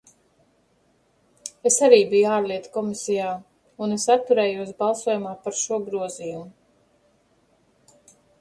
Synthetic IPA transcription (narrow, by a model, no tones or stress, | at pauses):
esaɾiːbijaːɾliɛt̪kɔmisijaː | unesat̪ːuɾɛːjuɔs̬bɑlˠsuɔjumaːpaɾʃuɔɡɾuɔziːjumu